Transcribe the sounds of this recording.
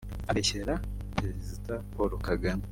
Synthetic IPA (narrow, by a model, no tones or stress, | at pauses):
aβeçeɾapeɾezitapoɾokaɡam